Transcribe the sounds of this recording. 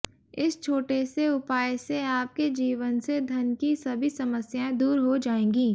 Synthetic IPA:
ɪst͡ʃʰoːʈeseʊpaːjseaːp̚ked͡ʒiːʋənsed̪ʱɐnkisɐbʱisɐməsjaẽd̪uːɾɦod͡ʒaːẽːɡĩː

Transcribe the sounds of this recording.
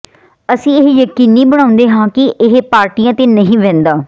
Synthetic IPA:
əsĩːɪɦjəkiːniːbəɽ̃aːʊ̃nd̪eːɦãːkɪʔɪɦpaːɾʈijãːt̪eːnəɦĩːʋɛ̃ːnd̪aː

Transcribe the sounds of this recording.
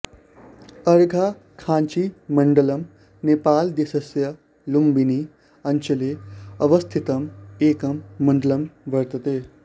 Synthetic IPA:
ɐɾɡʱa | kʰãːnt͡ʃimɐɳɖəlɐm | nepaːld̪isɐsjɐ | lumbini | ɐnt͡ʃʰɐleɐʋɐst̪ʰit̪ɐmeːkɐmːɐɳɖəlɐmʋɐɾt̪ɐt̪eː

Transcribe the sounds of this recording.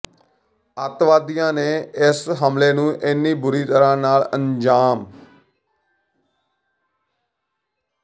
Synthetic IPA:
ət̪ʋaːd̪ijãːneːɪsɦəmleːnũːʔɪnːiːbʊɾiːt̪əɾãːnaːləɲd͡ʒaːm

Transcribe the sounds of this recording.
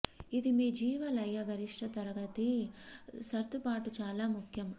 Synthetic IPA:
id̪imiːd͡ʒiːʋɐlɐjːɐɡɐɾiʂʈʰɐt̪ɐɾɐɡɐt̪i | sɐɾt̪upaːʈut͡ʃaːlaːmukʰjɐm

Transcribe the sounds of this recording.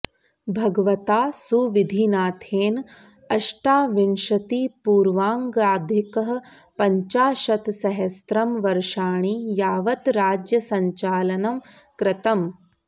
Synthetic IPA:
bʱɐɡɐʋɐt̪aːsuʋid̪ʱinaːt̪ʰeːn | ɐʂʈaːʋinʃɐt̪ipuːɾʋaːŋɡaːd̪ʱjɐkɐɦɐ̆ | pɐɲt͡ʃaːʃɐt̪sɐɦɐst̪ɾɐmʋɐɾʂaːɳijaːʋɐt̪ɾaːd͡ʒjɐsɐɲt͡ʃaːlɐnɐm | kɾɪt̪ɐm

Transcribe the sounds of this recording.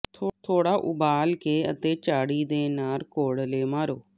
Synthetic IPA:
t̪ʰːt̪ʰoːɽaːʔʊ̰baːlkeːə̰t̪eːt͡ʃaːɽiːd̪eːnaːɾkoːɽleːmaːɾoː

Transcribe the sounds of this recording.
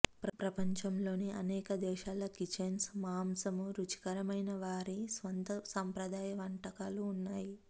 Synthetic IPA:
pɾɐpɾɐpɐɲt͡ʃɐmlo̞ːniɐnɛːkɐd̪ɛːʃaːlɐkit͡ʃensmaːmsɐmuɾut͡ʃi̥kɐɾɐmɐjnɐʋaːɾisʋɐnt̪ɐsaːmpɾɐd̪aːjɐʋɐɳʈɐkaːluːnːaːji

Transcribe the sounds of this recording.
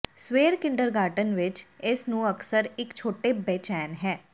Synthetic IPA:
sʋeːɾkɪ̃ɳɖəɾɡaːʈənʋɪt͡ʃɪsnũːəksəɾɪkt͡ʃʰoːʈeːbɛːt͡ʃɛːnɦɛː

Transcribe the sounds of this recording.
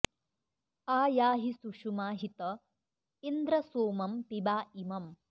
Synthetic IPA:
aːjaːɦisuʂumaːɦit̪ɐ | ind̪ɾɐsoːmɐmpibaːimɐm

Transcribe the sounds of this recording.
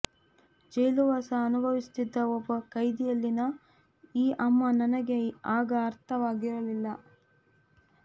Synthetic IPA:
d͡ʒɐjluʋaːsɐːnubʱɐʋist̪id̪ːɐɔbːɐkɐjd̪ijɐlːinɐ | iːʔɐmːɐnɐnɐɡe̞aːɡɐːɾt̪ʰɐʋaːɡiɾɐlilːɐ

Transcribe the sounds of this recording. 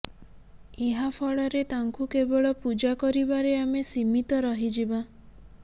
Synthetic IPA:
eɦapʰɔɭɔɾet̪aŋkukebɔɭɔpud͡ʒakɔɾibaɾeamesimit̪ɔɾɔɦid͡ʒiba

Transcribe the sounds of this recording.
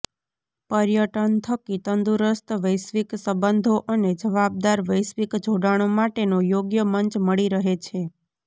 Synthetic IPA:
pəɾjəʈənt̪ʰəkit̪ənd̪uɾəst̪ʋəjsʋiksəbənd̪ʱoʔəned͡ʒəʋab̚d̪aɾʋəjsʋikd͡ʒʱoɽaɽ̃omaʈenojoɡjəməɲt͡ʃməɭiɾəɦet͡ʃʰe

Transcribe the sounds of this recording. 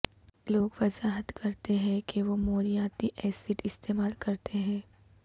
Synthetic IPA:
loːɡʋɐzaːɦət̪kɐɾt̪eɦɛ̃keʋomoːɾijaːt̪iʔɛːsɪʈɪst̪eːmaːlkɐɾt̪eɦɛ̃ː

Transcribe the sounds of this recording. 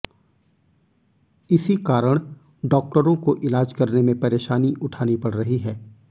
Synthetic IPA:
ɪsikaːɾəɽ̃ | ɖɔːk̚ʈəɾõkoʔɪlaːd͡ʒkɐɾnemẽpɐɾeːʃaːniʔʊʈʰaːnipɐɽɾɐɦiɦɛː

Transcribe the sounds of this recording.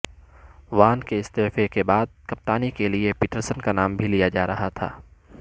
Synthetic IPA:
ʋaːnkeɪst̪eːfekebaːd̪̚kɐp̚t̪aːnikeliepiːʈəɾsənkanaːmbʱilijad͡ʒaːɾɐɦat̪ʰa̰ː

